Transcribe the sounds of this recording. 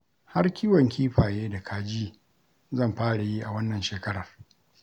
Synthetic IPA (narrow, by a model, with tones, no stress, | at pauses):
ha˦rkʲiː˦wɐ˨ŋkʲiː˦ɸaː˨jeː˦da˨kʰaː˨d͡ʒiː˦ | zɐ˦˨mɸaː˦ɽa˨ji˦ʔa˨wɐ˦nːɐ˨nʃeː˨kɐ˦ɽɐ˨r